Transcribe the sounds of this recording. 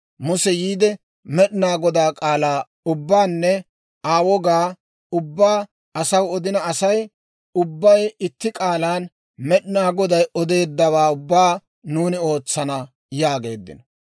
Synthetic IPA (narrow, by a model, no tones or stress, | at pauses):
mʊsɛjiːd̪ɛ | mɛɗɪnaːɡɔd̪aːkʼaːlaː | ʊbːaːnːɛ | aːwɔɡaː | ʊbːaː | ɐsɐwɔd̪ɪnɐɐsɐj | ʊbːɐjɪt̪ːɪkʼaːlaːn | mɛɗɪnaːɡɔd̪ɐjʔɔd̪e̞ːd̪ːɐwaːʊbːaː | nuːnɪo̞ːt͡sːɐnɐ | jaːɡe̞ːd̪ːɪ̰nɔ